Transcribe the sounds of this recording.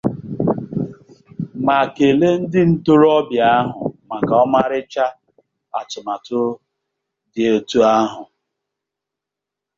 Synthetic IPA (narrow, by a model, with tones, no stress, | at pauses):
ma˨ke˨le˦n̩˦dɪ˦n̩˦tʊ˦ɾɔ˦bja˨a˦ɦʊ̰˨ma˨ka˨ɔ˦ma˦ɾɪ˦t͡ʃa˦ | a̰˨tʊ˨ma˨tʊ˦ | dɪ˨o˨tu˦a˦ɦʊ˨